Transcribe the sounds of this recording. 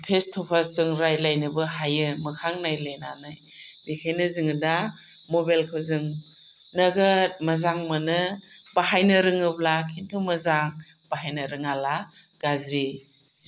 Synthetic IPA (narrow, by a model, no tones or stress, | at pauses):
pʰestʰɔpʰasɯŋɾajlajnɯbɯhajɯmɯkʰaŋnajlenanajdikʰajnɯzɯŋɯda | mobajlkʰɯwzɯŋ | nɐɡɯt̚mɐzaŋmanɯbaɦajnɯɾɯŋɯblakʰintʰumɐzaŋ | b̥aɦajnɯɾɯŋala | ɡ̥azɾi